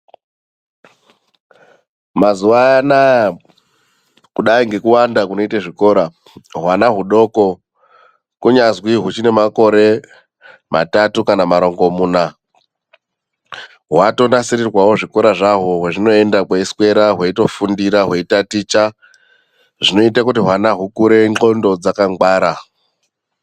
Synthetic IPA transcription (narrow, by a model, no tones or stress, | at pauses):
mazuʋaanaja | kuɗaiŋɡe̞kuwandakuno̞itaʐiko̞ːɾa | ɦwanaɦuɗo̞ko̞ | kuɲazwiɦut͡ʃine̞mako̞ɾe̞ | ma̰tatukanamaɾo̞ŋɡo̞muːna | ɦwato̞nasiɾirwawo̞ʐiko̞ɾaʐaɦoɦweʐino̞e̞ndakweiskwe̞ɾaɦweito̞fundiɾaɦwe̞itatit͡ʃa | ʐino̞itak̬utiɦwanaɦukuɾe̞ŋŋ͡ǃo̞ndo̞d͡zakaŋɡwaːɾa